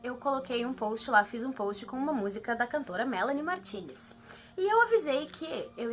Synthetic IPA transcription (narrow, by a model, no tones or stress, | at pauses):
ewkolokejũpowst͡ʃɪlafizũpowst͡ʃɪ̥kõũmɐmuzikɐd̪ɐkɐ̃nt̪oɾɐmɛlɐ̃nimaɾt͡ʃĩnɪs | ɪewavizejkʰɪew